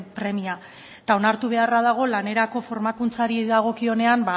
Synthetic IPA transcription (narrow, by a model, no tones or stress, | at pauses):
pɾe̞mia | t̪ao̞naɾt̪uβ̞e̞arað̞aɣ̞o̞lane̞ɾako̞fo̞ɾmakunt͡saɾiðaɣ̞o̞kio̞ne̞amba